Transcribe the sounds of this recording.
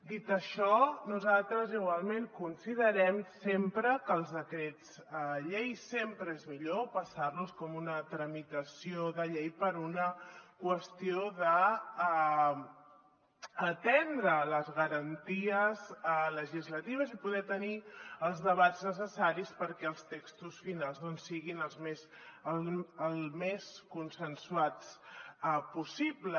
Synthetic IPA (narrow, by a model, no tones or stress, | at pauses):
d̪it̪əʃɔnuzalˠt̪ɾəziɣwalˠmeŋkunsiðəɾɛmsempɾəkəːlˠzðəkɾed͡zəʎejsempɾəezmiʎopəsaɾluskɔmunət̪ɾəmit̪əsioðəʎejpəɾunəkwəst̪ioðə | t̪ɛnd̪ɾələzɣəɾənt̪iəzləʒizlət̪iβ̞əzipuðɛt̪əniəlˠzðəβaznəs̬əsaɾispəɾkɛəlˠst̪ekst̪usfinalˠzðɔnsːiɣinəlˠzmes | əlˠmeskunsənsuwat͡s | pusiblə